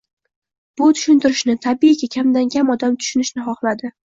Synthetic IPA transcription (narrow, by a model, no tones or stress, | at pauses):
b̥ʊt̪ʰʊ̥ʃɪnt̪ɪɾɪʃnɪt̪ʰabiakʲakʲʰamd̪aŋkʲamɒd̪amt̪ʰʊ̥ʃʊnɪʃnɪχɒχlad̪ɪ